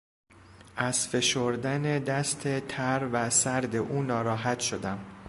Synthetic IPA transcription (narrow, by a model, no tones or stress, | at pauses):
ʔæz̥fe̞ʃoɾd̪æne̞d̪æst̪ʰe̞t̪ʰæɾvæsæɾd̪e̞ʔuːnɒːɾɒːɦæt̪ʃo̞d̪æm